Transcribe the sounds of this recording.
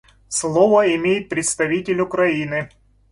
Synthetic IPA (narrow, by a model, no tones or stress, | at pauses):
slˠovəɪmʲejɪt̪̚pɾʲɪt̪st̪ɐvʲitʲɪlʲʊkɾɐinɨ